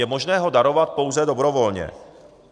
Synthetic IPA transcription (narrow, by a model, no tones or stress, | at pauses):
ɛmo̞ʒnɛːɦo̞daɾo̞vat̪̚po̞wzɛdobɾo̞vo̞lɲɛ̰